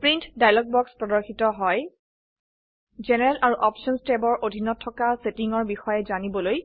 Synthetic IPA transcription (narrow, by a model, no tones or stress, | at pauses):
pɹintdajlɔk̚bɔkspɹɔdɔɹxitɔɦɔj | zenɛɹɛlʔaɹuʔɔpʃɔnstebɔɹʔodʱinɔtʰːɔkasetiŋɔɹbixɔjɛzanibɔloj